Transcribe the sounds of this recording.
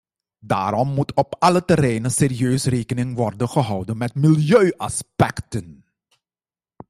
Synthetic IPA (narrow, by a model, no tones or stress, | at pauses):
da̰ːɾɔmːutʰɔpɑlətəɾɛjnəseːɾiøːsreːkənɪŋʋɔrdənχəɦɑwdənmɛtmɪljøːʔɑspɛktən